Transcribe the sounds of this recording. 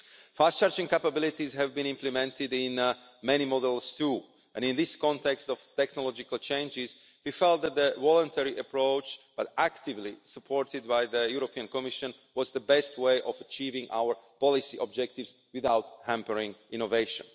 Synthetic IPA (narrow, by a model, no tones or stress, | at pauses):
fastt͡ʃaːɹd͡ʒĩŋkapabɪlɪt̪izɦɛvbĩnĩmplimɛ̃nt̪ɪdɪ̃n | mɛnimɔd̪ɛlˠst̪u | ʔɛ̰̃nĩnðɪskɔ̃nt̪ɛkstɔvt̪ɛknɔlɔd͡ʒɪkalt͡ʃẽɪ̃nd͡ʒɪz | wifɛlˠt̪̚dɛt̪̚d̪əwɔlə̃nt̪ʰɛɹiʔəpɹoʊt͡ʃb̥atækt̪ɪvlisəpʰɔɹtɪd̪̚baɪðəjuɾopiə̃nkɔmiʃə̃n | wɔzd̪əbɛstweɪʔɔvət͡ʃiːvĩŋa̰ʊəɹpɔlɪsiʔɔb̚d͡ʒɛk̚t̪ɪvs | wɪðaʊthæ̃mpəɹĩŋɪnɔveɪʃə̰̃n